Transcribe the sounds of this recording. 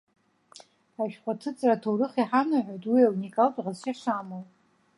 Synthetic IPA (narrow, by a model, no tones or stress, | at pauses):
aʃᶣqʷatʰɨt͡sʼratʰowɾɨχiħanaħʷojtʼwiawunikʼaltʼʁazʃaʂamowʼ